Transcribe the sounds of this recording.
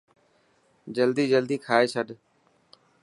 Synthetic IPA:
d͡ʒəld̪iːd͡ʒəld̪iːkʰaːeːt͡ʃʰəɗ

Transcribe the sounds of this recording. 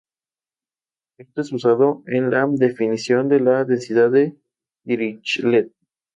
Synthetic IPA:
est̪oesβusaðoenlad̪efinisjo̞nd̪elaðensiðaðe | iɾit͡ʃlet̪̚

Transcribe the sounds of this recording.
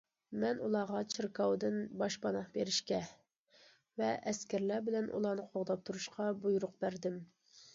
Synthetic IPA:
mɛnulˠɑːʁɑt͡ʃʰɨɾkɑwd̪ɨnbɑʃbɑnɑχbeɾɪʃkʲɛ | vɛʔɛskʲæɾlæbɪlɛnʔṵlˠɑːnɨqʰoʁd̪ɑp̚t̪ʰuɾuʃqʰɑbujuɾʊq̚bæɾd̪ɪm

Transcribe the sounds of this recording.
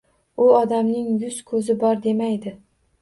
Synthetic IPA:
ʊɒd̪amnɪŋjʊzkʰɵzɪbɒɾd̪e̞majd̪ɪ

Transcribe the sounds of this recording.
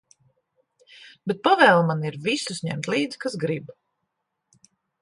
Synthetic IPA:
b̥et̪̚pavɛːlˠmaniɾvisusɲɛ̰mt̪liːd̪z̥kasɡɾib

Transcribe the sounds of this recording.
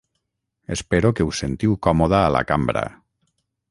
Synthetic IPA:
espeɾokeusent̪iwkɔmoðaːla̰kambɾa̰

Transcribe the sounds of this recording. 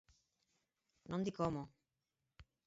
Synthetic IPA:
nõnd̪ikomo

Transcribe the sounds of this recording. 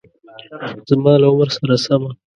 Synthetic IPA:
z̥mɑːlaʊmɾsaɾasama

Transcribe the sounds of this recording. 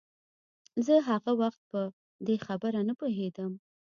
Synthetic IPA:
zəɦaɣawaxt̪̚pə | d̪exabəɾanəpoɦed̪əm

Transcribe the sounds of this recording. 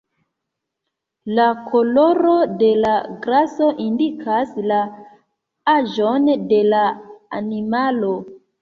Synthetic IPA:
lakʰoloɾode̞laɡɾaso̞ʔindikʰasla | aʒonde̞laa̰nimalo

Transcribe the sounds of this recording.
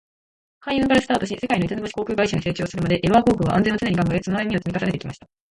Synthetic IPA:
kaiɯ̟̃ŋɡaɾɯsɨ̥t̪aːt̪o̞ɕise̞kainoit̪enoboɕi̥ko̞ːkʲɯ̟ːɡaiɕaɲise̞ːt͡ɕo̞ːsɨɾɯ̟mad̪e̞ʔeβakoːkɯ̟βa̰ʔã̰nd͡zẽot͡sɨnɲiɡãŋɡaet͡sonoajimʲio̞t͡sɨmʲikasane̞t̪ekʲimaɕi̥t̪ḁ

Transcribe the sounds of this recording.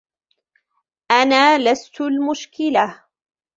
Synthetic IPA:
ʔanaːlast̪ʊlmʊʃkɪla

